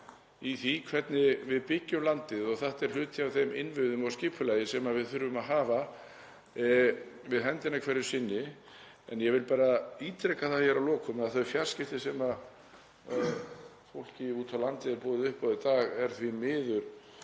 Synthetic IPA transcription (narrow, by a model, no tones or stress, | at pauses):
iθikʰvɛt̪nɪvɪðpɪcːʏmlant̪ɪðɔɣθaht̪ɛɾ̥l̥ʏːt̪ʰɪawvθejmɪnvʏðʏmɔscɪpʰʏlaːjɪsɛmavɪðθʏɾvʏmaɦaːva | vɪðɦɛnt̪ɪnakʰvɛɾːʏ̥sɪnːɪ | ɛ̰njɛvɪlpaːɾaiːt̪ɾɛkaθaðçɛɾavlɔːkʏmɛðaθœɥfjar̥scɪft̪ɪsɛma | fowl̥cɪuːt̪ʰawlant̪ɪðɛɾpɔːðɪʏhpɔðɪt̪aːɣɛɾ̥θvimɪːðʏɾ̥